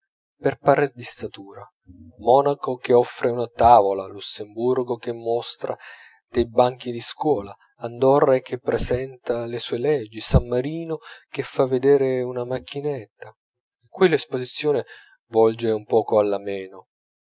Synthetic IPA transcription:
perpaɾed̪ist̪at̪uːɾa | mɔːnakok̟ɪɔfːɾeunat̪aːvolalusːemburɡokɪmːɔst̪ɾʔa̰ | d̪̥ejbaŋk̟id̪iskwɔːlaː | nd̪ɔrːaek̟ːepːɾesɛnt̪alesuːelɛd͡ʒːisamːaɾiːnok̟efːavːed̪ɛːɾeunamak̟ʰːinet̪ːa | ekːwilespozit̪sːjoːnɪ | vɔld͡ʒeumpɔːkoalːamɛːno

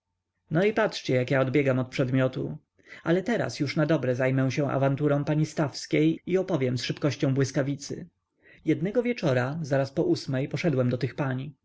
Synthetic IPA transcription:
nɔipatʂt͡ɕɛjakjaɔd̪bʲjɛɡamɔt̪̚pʂɛd̪mʲjɔt̪u | alɛt̪ɛɾa̰sjuʂnad̪ɔbɾɛzajmɛw̃ɕɛ̃w̃ʔa̰vant̪uɾɔ̃w̃paɲist̪afskʲejiɔpɔvʲjɛmsʂɘpkɔɕt͡ɕɔ̃w̃bwɘskavʲit̪sɘ̰ | jɛd̪nɛɡɔvʲjɛt͡ʂɔɾazaɾaspɔʔusmɛjpɔʂɛd̪wɛmd̪ɔt̪ɘxpaɲi

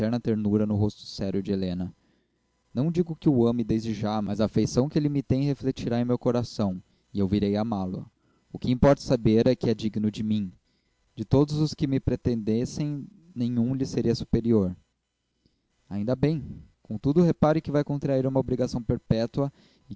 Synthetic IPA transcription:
ɛɾnɐt̪eɾnuɾɐnʊɦost̪ʊ̥sɛɾjʊd͡ʒɪelẽnɐ | nɐ̃w̃d͡ʒiɡʊkɪʊɐ̃mɪd̪ezd͡ʒɪʒamɐzɐːfejsɐ̃w̃kɪelɪmɪt̪ẽj̃heflet͡ʃiɾaẽmewkoɾasɐ̃w̃ | ɪewviɾejamalʊɐ̰ | ʊkɪĩmpɔɾt̪ɐ̥sabeɾɛkɪɛd͡ʒiɡnʊd͡ʒɪmĩ | d͡ʒɪt̪od̪ʊzʊskɪmɪpɾet̪ẽnd̪esẽj̃ | nẽj̃ũlɪseɾiɐsu̥peɾioɾ | a̰ĩnd̪ɐbẽj̃kõt̪ud̪ʊɦepaɾɪkɪvajkõnt̪ɾaiɾũmɐobɾiɡasɐ̃w̃peɾpɛt̪uɐ | ɪ

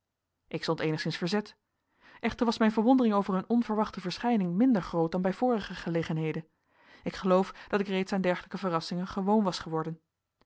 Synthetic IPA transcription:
ʔɪksɔntejnəχsɪnsfəɹzɛt | ʔɛχtəɹʋɑsmɛjnvəɹʋɔndərɪŋowvəɹɵnʔɔnvəɹʋɑχtəvəɹsχɛjnɪŋmɪndəɹχrowt̚dɑnbɛjv̥ʊːrəχəχəlejχənɦejdən | ɪkχəlowfd̥ɑtɪkrejtsaːndɛɹχələkəvərɑsɪŋəχəʋownʋɑsχəʋɔɹdən

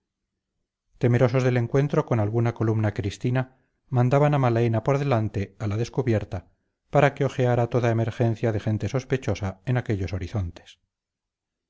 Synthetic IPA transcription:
t̪e̞me̞ɾo̞so̞zðe̞le̞ŋkwe̞nt̪ɾo̞ko̞nalɣunako̞lumnakɾist̪ina | mãnd̪aβanamalaenapo̞ɾðe̞lant̪e̞alaðe̞skuβje̞ɾt̪a | paɾakeo̞xeaɾat̪o̞ðaeme̞ɾxe̞n̟θjaðe̞xe̞nt̪e̞so̞spet͡ʃo̞saenake̞ʎo̞so̞ɾiθo̞nt̪e̥s

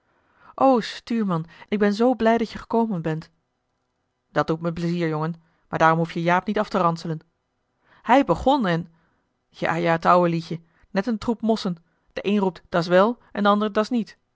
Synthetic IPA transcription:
ʔowstyːɹmɑnʔɪɡ̚bɛnzowblɛjdɑtjəχə̥kowmənbɛnt | d̥ɑt̚d̥utməpləziːɹjoŋən | maːɹdaːrɔmɦufjəjaːpnitɑftərɑnsələn | hɛjbəχɔnɛn | ja̰ːjaːətʌwəliçə | nɛtəntrupmɔsən | d̥əʔejnrup̚td̥ɑs̬ʋɛlˠʔɛ̰ndəɑndəɹdɑsnit

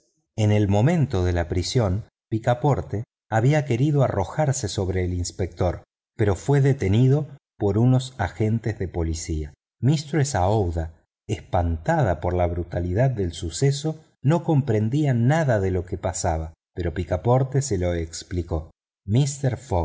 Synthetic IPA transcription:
ene̞lmo̞mẽ̞nt̪o̞ðe̞lapɾisjo̞n | pikapo̞ɾt̪e | aβiake̞ɾið̞o̞aro̞xaɾseso̞βɾeːlinspek̚t̪o̞ɾ | peɾo̞fwe̞ðet̪e̞niðo̞ | po̞ɾuno̞saxe̞nt̪ezðe̞po̞lisia | mist̪ɾoesaowða | ehpant̪að̞apoɾlaβɾut̪aliðað̚ːe̞lsuseso̞ | no̞ko̞mpɾe̞nd̪ianaðaðe̞lo̞kepasaβa | pe̞ɾo̞pikapo̞ɾt̪eselo̞ekspliko̞ | mist̪eɾfoɣ

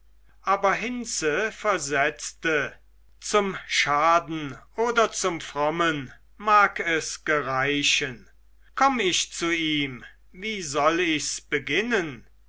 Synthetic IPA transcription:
ʔaːbɐɦɪnsəfɛɐzɛt͡stə | t͡sʊmʃaːdn̩ʔoːdɐt͡sʊmfʁ̥ɔmən | maːkɛsɡ̥əʁaɪʃən | kʰɔmɪʃt͡suiːm | viːzɔlɪçsb̥əɡɪnən

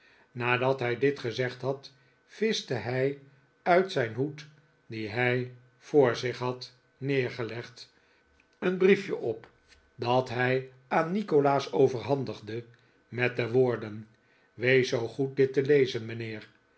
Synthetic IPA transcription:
naːdɑtɦɛjdɪtχəzɛχtɦɑt | fɪstəɦɛj | œɥtsɛjnɦut | diɦɛj | foʊːɹzɪχɦɑt | nɪːɹχəlɛχt | ənbrifjəʔɔp | dɑtɦɛj | aːnːikolaːsowvəɹɦɑndəχdə | mɛt̚dəʋoːɹdən | ʋejsowχut̚dɪtəlejzənmənɪːr

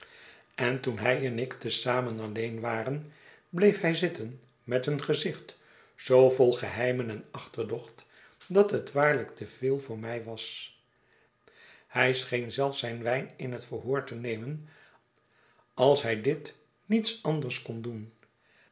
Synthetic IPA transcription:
ɛntunɦɛjɛnɪktəsaːmənɑlejnʋaːrən | blejfɦɛjzɪtən | mɛtənχəzɪχt | z̥owvolˠχəɦɛjmənɛnɑχtəɹdɔχt | dɑtɦətʋaːɹləktəvɪːlˠvʊːɹmɛjʋɑs | hɛjsχejnzɛlˠfsɛjnʋɛjnɪnɦətfəɹɦʊːɹtənejmən | ɑlˠsɦɛjdɪt | nitsɑndəɹskɔndun

